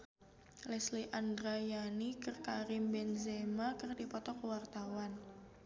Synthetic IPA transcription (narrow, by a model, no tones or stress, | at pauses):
lɛsliʔandɾajanikərkaɾɪmbɛnzemakərdipɔt̪ɔkəwart̪awan